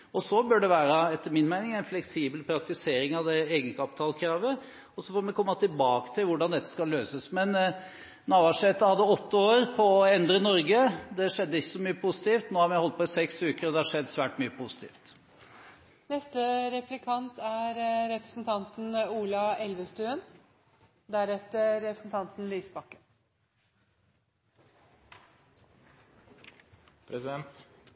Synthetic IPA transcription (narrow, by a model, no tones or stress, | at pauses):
ɔsɔbœɖɛʋæːɾəɛt̪ːəɾmɪnmæɪnɪŋæɪnflɛksiːbəlpʰɾɑk̚t̪ɪseːɾɪŋɑʋd̪ɛeːɡən̩skɑːpt̪ʰɑːlkʰɾɑːʋə | ɔsɔføːmɛkɔmːət̪ʰɪlbɑːkə̥t̪ʰɪlʋʊɖɑnd̪ɛt̪ːə̥skɑlːøːsəsmɛn | nɑːʋɑʂɛt̪əhɑd̪ːəɔt̪ːəoːɾpʰɔːɛnd̪ɾənɔɾɡəd̪ɛʂɛd̪ːəɪçːəsɔmyːəpʰusɪ̥t̪iːft̪noːhɑɾmæɪhɔlt̪̚pʰɔɪsɛksʉːkəɾɔd̪ɛhɑʂɛd̪ːsʋæːʈmyːəpʰuːsɪ̥t̪ʰḭːft̪ | nɛst̪əɾɛplɪkʰɑnt̪æɾɾɛpɾəsn̩t̪ʰɑnt̪n̩uːlɑɛlʋəst̪ʉːən | d̪æɾɛt̪əɾɛpɾəsn̩t̪ʰɑnt̪nliːsəbɑkːən | pʰɾɛsɪd̪ɛnt̪